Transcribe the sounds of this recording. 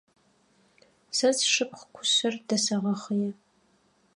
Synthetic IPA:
sɐzʂɨp̚ʰχkʷʰʊ̥sɐrd̥ɐsɐʁɐχəjɛ

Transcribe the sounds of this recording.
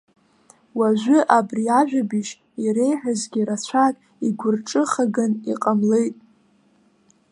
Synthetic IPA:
waʒʷʏʔabriaʒᶣabiʃ | iɾe̞jħʷᶣazɡʲiɾat͡ɕʷʰakʼ | iɡʷʊrʈ͡ʂʼɨχaɡɨniqʼamle̞jtʼ

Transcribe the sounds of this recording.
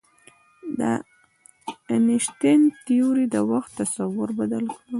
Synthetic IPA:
d̪ə̰ | nɪʃt̪ɪnt̪ijuɾid̪əwaxt̪ːasawʊɾbad̪alkɽu

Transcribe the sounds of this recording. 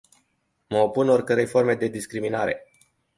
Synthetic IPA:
məopuno̞rkəɾejfo̞rme̞d̪e̞d̪iskɾiminaɾe̞̰

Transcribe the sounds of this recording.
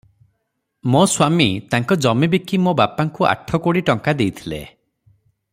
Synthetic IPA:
moswamit̪aŋkɔd͡ʒɔmibikimobapaŋkuʔa̰ʈʰɔkoɽiʈɔŋkad̪ejt̪ʰilḛ

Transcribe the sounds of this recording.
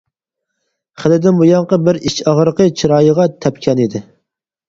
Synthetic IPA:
χəlɪd̪ɪnmujɑɴqəbɪɾiʃɑʁɾəqət͡ʃʰiɾɑːjəʁɑt̪ʰɛpʲkʲʰɛnid̪ɪ

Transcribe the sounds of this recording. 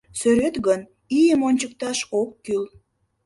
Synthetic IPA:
søɾøt̪ɣən | ijəmonʲt͡ɕək̚t̪ɑʃokːyl

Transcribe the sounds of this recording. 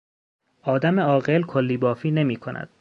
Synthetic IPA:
ʔɒːd̪æmeɒːɣelkʰolːiːbɒːfiːne̞miːkʰonʔæ̰d̪̥

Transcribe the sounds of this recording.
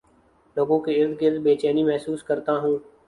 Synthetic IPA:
loːɡõkiɪɾd̪ɡɪɾd̪beːt͡ʃɛːniːmɛɦsuːskəɾt̪aɦũː

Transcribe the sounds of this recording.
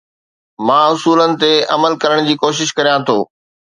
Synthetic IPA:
mãːʊsuːlənɪ̆t̪eɐməlkɐɾəɽ̃d͡ʑiːkoːʃ̬ɪʃkɐɾijãt̪ʰo̰ː

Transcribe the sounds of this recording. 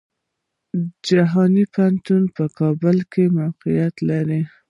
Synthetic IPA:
d͡ʒaɦɑnipant̪unpəkɑbəlkemawqijat̪laɾi

